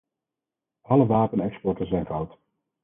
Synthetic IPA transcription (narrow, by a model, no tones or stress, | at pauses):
ɑləʋaːpənɛkspɔɹtəzɛjnvɑwt